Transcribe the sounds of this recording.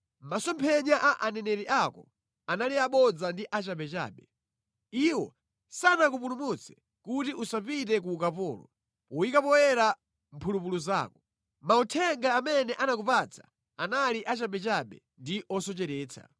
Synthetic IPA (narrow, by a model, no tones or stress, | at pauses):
masɔmpʰɛɲaʔaʔanɛnɛɾiʔakɔ | analiaɓɔd͡zandiʔat͡ʃaɓɛt͡ʃa̰ːɓɛ | iwɔ̰ | sanakupulumut͡sʰɛ̥ | kutiʔusapitɛk̬uːk̬apɔːlɔ̰ | uwikapɔwɛɾa | mpʰulupuluza̰ːkɔ | mautʰɛŋɡaːmɛnɛʔanak̬upat͡sʰḁ | analiʔat͡ʃaɓɛt͡ʃaɓɛ̰ | ndiʔɔsɔt͡ʃɛɾɛːt͡sʰa̰